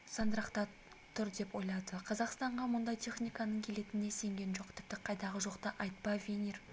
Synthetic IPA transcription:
sɑnd̪əɾɑqt̪ɑ | t̪ʰʊɾd̪e̞po̞jlˠɑd̪əqʰɑzɑqst̪ɑɴʁɑmʊnd̪ɑjt̪ʰe̞χnijkɑnəɴkʲʰe̞le̞t̪ɪne̞se̞ŋɡʲe̞nʒo̞q̚t̪ʰɪ̥p̚t̪ɪqʰɑjd̪ɑʁəʒo̞qt̪ɑʔɑjt̪̚pɑvʲenir

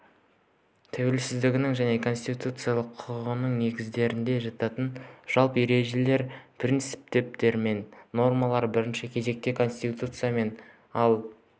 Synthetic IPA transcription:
t̪ʰæwe̞lsɪzd̪ɪɡʲɪnɪŋʒæne̞kʰo̞nsʲt̪it̪ut̪sɨjalˠəqʰʊɾʁənəɴne̞ɡʲɪzd̪e̞ɾɪnd̪e̞ʒɑt̪ɑt̪ənʒ̥ɑlˠpəjeɾe̞ʒe̞le̞ɾpʰrʲint̪sɨ̥p̚t̪e̞p̚t̪e̞ɾme̞nːo̞rmɑlˠɑɾbɪɾɪnʃɪkʲʰe̞ze̞k̚t̪e̞kʰo̞nsʲt̪it̪ut̪sɨjame̞n | ɑlˠ

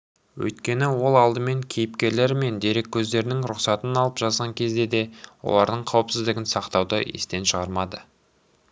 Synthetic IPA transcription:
wɵ̰jt̪̚kʲe̞nɪwo̞lˠɑlˠd̪əme̞ŋkʲʰejɪpkʲe̞ɾle̞ɾme̞nd̪e̞ɾe̞kʲʰːɵzd̪e̞ɾɪnɪŋɾʊqsɑt̪ənɑlˠəpʒ̥ɑzʁɑŋkʲʰe̞zd̪e̞d̪e̞wo̰lˠɑɾd̪əɴqʰɑwəpsɪzd̪ɪɡʲɪnsɑqt̪ɑwd̪ə̰ḛst̪e̞nʃəʁɑɾmɑd̪ə

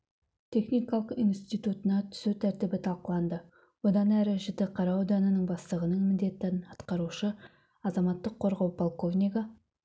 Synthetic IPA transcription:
t̪ʲʰe̞χnijkɑlˠəqinst̪ijt̪ut̪ənɑt̪ʰʏ̥sut̪ʰæɾt̪ɪbɪt̪ʰɑlˠqəlˠɑnd̪ə | wo̞d̪ɑnæɾɪʒɪt̪ɪqʰɑɾɑwod̪ɑnənəɴbɑslˠəʁənəɴmɪnd̪e̞t̪ːnɑt̪qɑɾuʃə | ɑzɑmɑt̪ːəqʰːo̞ɾʁɑwpʰolˠko̞vnikɑ

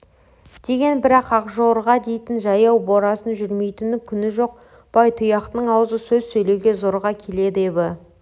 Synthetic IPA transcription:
d̪̥e̞ɡʲe̞nbɪɾɑqɑqʒoɾʁɑd̪e̞jt̪ɪnʒɑjɑwboɾɑsənʒʏɾme̞jt̪ɪnɪŋkʲʰʏnɪʒo̞q̚ | b̥ɑjt̪ʰʊjɑqt̪əɴɑwəzəsɵzsɵjle̞wɡʲe̞zoɾʁɑkʲʰe̞le̞d̪ɪebɪ

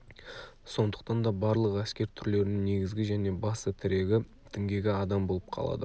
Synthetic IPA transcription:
so̞nd̪ə̥qt̪ɑnd̪ɑbɑɾlˠəqæskʲe̞ɾt̪ʰʏɾle̞ɾɪnɪŋne̞ɡʲɪzɡʲɪʒæne̞bɑsət̪ʰɪɾeɡʲɪ | t̪ʰɪŋɡʲe̞ɡʲɪɑd̪ɑmbo̞lˠəp̚qʰɑ̰lˠɑ̰d̪ə

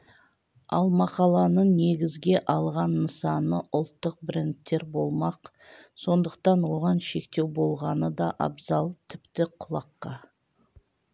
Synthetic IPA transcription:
ɑ̰lˠmɑqɑlˠɑnəɴne̞ɡʲɪzɡʲe̞ʔɑlˠʁɑnːəsɑnəʔʊlˠt̪ːəq̚bɪɾʲent̪ːe̞ɾbo̞lˠmɑq | so̞nd̪əq̚t̪ɑnwo̞ʁɑnʃe̞kt̪e̞wbo̞lˠʁɑnəd̪ɑʔɑ̰bzɑlˠt̪ʰɪ̥pt̪ɪqʰʊlˠɑqːɑ

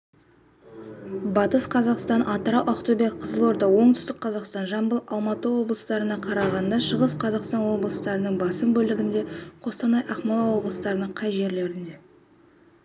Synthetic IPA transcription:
bɑt̪əsqʰɑzɑqst̪ɑnʔɑt̪əɾɑwʔɑqt̪ube̞kqʰəzəlˠo̞ɾd̪ɑwo̞ɴt̪ʏ̥st̪ɪk̚qʰɑzɑqst̪ɑnʒɑmbəlˠɑlˠmɑt̪əwo̞blˠəst̪ɑɾənɑqʰɑɾɑʁɑnd̪ɑʃəʁəsqʰɑzɑqst̪ɑnwo̞blˠəst̪ɑɾənəɴbɑsəmbɵlɪɡʲɪnd̪e̞qʰo̞st̪ɑnɑjʔɑχmɑlˠɑwo̞blˠəst̪ɑɾənəɴqʰɑjʒe̞ɾle̞ɾɪnd̪e̞

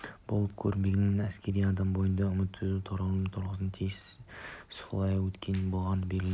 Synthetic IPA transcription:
b̥olˠəpkʲʰɵɾme̞ɡʲɪnːenæskʲe̞ɾijɑd̪ɑmbo̞jənd̪ɑʏmɪt̪ʰːɪut̪ʰʊɾɑlˠəmt̪ʰʊɾʁəznt̪ʰejssʊ̥flˠɑjɑwɵt̪kʲe̞nɪbo̞lˠʁɑnəbeɡʲɪ

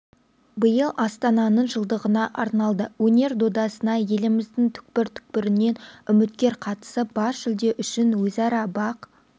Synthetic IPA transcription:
bəjəlˠʔɑst̪ɑnɑnəɴʒəlˠd̪əʁənɑʔɑɾnɑlˠd̪əwɵne̞ɾd̪o̞d̪ɑsənɑje̞lɪmɪzd̪ɪŋt̪ʰʏ̥k̚pɪɾt̪ʰʏ̥k̚pɪɾɪnːe̞nʏmɪt̪̚kʲe̞ɾqʰɑt̪ə̥səbɑsʒ̥ɪld̪e̞ʔʏʃɪnwɵzɑɾɑbɑq

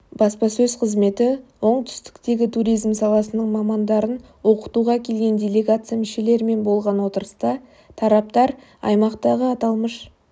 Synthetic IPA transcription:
b̥ɑspɑsɵzqʰəzme̞t̪ɪwo̞ɴt̪ʰʏ̥st̪ɪ̥kt̪e̞ɡʲɪt̪ʰuɾijzmsɑlˠɑsənəɴmɑmɑnd̪ɑɾən | wo̞qə̥t̪uʁɑkʲʰe̞lɡʲe̞nd̪ʲe̞le̞ɡat̪sɨjamɪʃe̞le̞ɾɪme̞nbo̞lˠʁɑnwo̞t̪əɾəst̪ɑ | t̪ʰɑɾɑp̚t̪ɑɾ | ɑ̰jmɑqt̪ɑʁəɑt̪ɑlˠməʃ

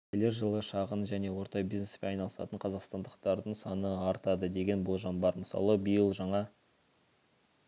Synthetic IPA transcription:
kʲʰele̞ɾʒəlˠəʃɑʁənʒæne̞wo̞ɾt̪ɑbizne̞speɑjnɑlˠəsɑ̰t̪əɴqʰɑzɑqst̪ɑnd̪əqt̪ɑɾd̪əɴsɑnəɑɾt̪ɑd̪əd̪e̞ɡʲe̞nbʊlˠʒɑnbɑɾməsɑ̰lˠəbəjəlˠʒɑɴɑ

